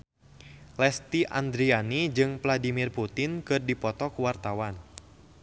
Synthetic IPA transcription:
lɛst̪iʔa̰nd̪ɾianid͡ʒɨŋvladimirput̪ɪnkɨrdipɔt̪ɔkuwart̪awan

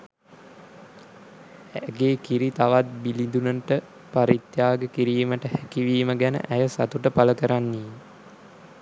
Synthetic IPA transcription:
æɡeːkiɾit̪aʋat̪̚bilid̪unəʈə | paɾit̪jaːɡəkiɾiːməʈəhækiʋiːməɡænə̰ʔæjəsa̰t̪uʈəpaləkəɾanːeː

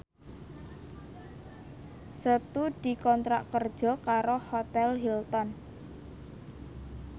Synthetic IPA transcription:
sət̪ud̪̥i̤kɔnt̪ɾaʔkərd̥ʒ̥ɔ̤kaɾohot̪ɛlɦilt̪ɔn

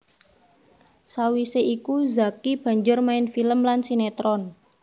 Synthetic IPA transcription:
sawiseʔikuzakib̥ä̤ɲd͡ʒʊrmaɪnfiləmlansinet̪ɾɔn

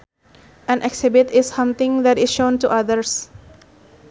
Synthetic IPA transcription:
ɛ̃nʔɛksɪbɪtɪssʌ̃mt̪ɪ̃ŋd̪æʈɪsʃõːnʈuʔad̪əɾs

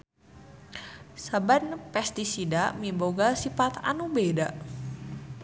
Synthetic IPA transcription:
sabanpɛst̪isidamiboɡasifat̪a̰nubeda

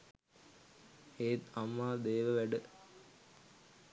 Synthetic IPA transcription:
eːt̪ɐmːaːd̪eːʋəʋæɖə

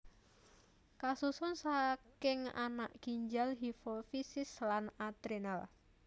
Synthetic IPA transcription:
kasusʊnsakɪŋa̰na̰ʔɡ̥iɲd͡ʒalɦifofisɪslanad̪ɾenal

